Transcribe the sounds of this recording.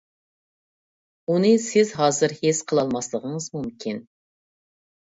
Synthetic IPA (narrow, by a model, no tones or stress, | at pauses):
unɨsɪzɦɑːzɨɾhesqʰəlˠɑlˠmɑslˠəʁəɴəzmumkʲʰin